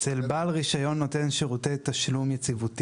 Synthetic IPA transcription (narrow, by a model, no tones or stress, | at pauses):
selbalʁiʃajo̞nːo̞t̪enʃeʁutet̪aʃlumjet͡sivut̪i